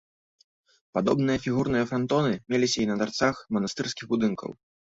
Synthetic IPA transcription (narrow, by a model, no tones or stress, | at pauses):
pad̪ɔbn̪ɨjɐfʲiɣurnɨjɐfɾant̪ɔnɨmʲelʲisʲɐinɐd̪art̪saxmɐnast̪ɨrskʲiɣbud̪ɨnkɐ̰w